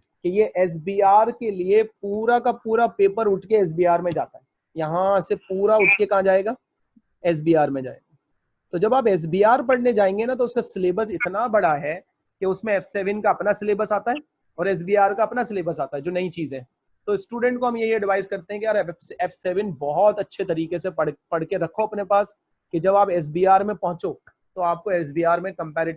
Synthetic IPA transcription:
kejeʔɛːs̬biːaːɾkeliep̚uːɾakapuːɾapeːpəɾʊʈʰkeɛːs̬biːaːɾmẽd͡ʒa̰ːt̪aɦɛ | jɐɦãsepuːɾaʊʈʰkekɐɦãd͡ʒaːeːɡaː | ɛːs̬biːaːɾmẽd͡ʒa̰ːḛːɡaː | t̪od͡ʒɐbaːpɛːs̬biːaːɾpɐɽned͡ʒaːẽːŋɡenat̪̬oʊskasɪleːbəɾsɪt̪nabɐɽaɦɛ | keʊsmẽɛfʰseːʋənkaɐpnasɪleːbəɾsaːt̪aɦɛː | ɔːɾɛːs̬biːaːɾkaɐpnasɪleːbəɾsaːt̪aɦɛd͡ʒoːnɐĩt͡ʃiːzẽː | t̪oɪsːʈuːɖɛ̃ɳʈ̚koɦɐmjɐɦiɐɖʋaːɪzkɐɾt̪eɦɛ̃kijaːɾɛɛfʰseːʋənbɔɦɔt̪ɐtːʃʰet̪ɐɾiːkeseɐɽpɐɽ̤keɾɐkʰoɐpnepaːs | ked͡ʒɐbaːpɛːs̬biːaːɾmẽpɐɦʊ̃t͡ʃo | t̪oaːp̚koɛːs̬biːaːɾmẽkɐ̃mpɛːɾɪ

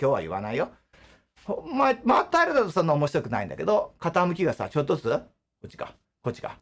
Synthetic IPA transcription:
kʲo̞ːβa̰jɯ̟βa̰naijo̞ | homːaemaat̪ːaeɾɯd̪at̪osõ̞nːaomoɕiɾo̞kɯ̟na̰ḭ̃nd̪a̰ked̪o̞kat̪amɯ̟kʲiɡasa̰t͡ɕo̞t̪ːo̥t͡sɨ | kot͡ɕːi̥ka̰ | ko̞t͡ɕːi̥ka̰

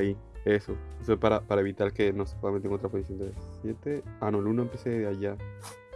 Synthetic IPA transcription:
ie̞so̞esoespaɾapaɾae̞βit̪aɾke̞nose̥pwamet̪eŋɡot̪ɾaposisjond̪esje̞t̪e̞anolunoempje̞seðeaʝa

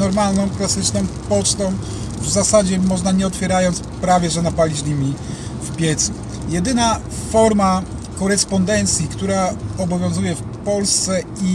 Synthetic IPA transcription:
ɔɾmalnɔ̃w̃klasɘt͡ʂnɔm̃pɔt͡ʂt̪ɔ̃w̃ | vzasad͡ʑɛmɔʐnaɲɛɔt̪fʲjɛɾajɔnt̪spɾavʲjɛʐɛnapalʲid͡ʑlʲimʲi | fpʲjɛt̪su | jɛd̪ɘna | fɔɾma | kɔɾɛspɔnd̪ɛnt̪sʲjikt̪uɾaɔbɔvʲjɔ̃w̃zujɛfpɔlst̪sɛi

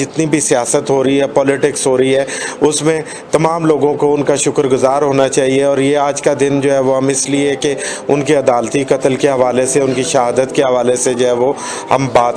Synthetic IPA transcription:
d͡ʒɪt̪nibʱisijaːsət̪ɦoːɾɐɦiɦɛpɔːlɪʈɪksɦoːɾɐiɦɛːʊsmẽ | t̪ɐmaːmloːɡõkoʊnkaʃʊkɾɡʊzaːɾɦoːnat͡ʃaːɦieɔːɾjeaːd͡ʒkad̪ɪnd͡ʒoːɦɛʋoɦɐmɪsliekeʊnkeɐd̪aːlt̪ikɐt̪əlkeɦɐʋaːleseʊnkiʃɐɦaːd̪ət̪keɦɐʋaːlesed͡ʒoɦɛʋo | hɐ̰mbaːt̪

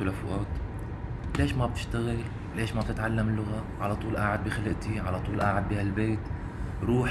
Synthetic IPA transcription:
lafʊ̰ʔɑːt̪ | leːʃmab̚t̪ɪ̥ʃt̪aɣɪl | leːʃmab̚t̪ɪt̪ʕalːamɪlːʊɣaʕalɑt̪ˤuːlʔaːʕad̪̚bixalɪʔt̪iʕalɑt̪ˤuːlʔa̰ʕad̪̚biːhalbeːt̪ | ɾˤuːħ

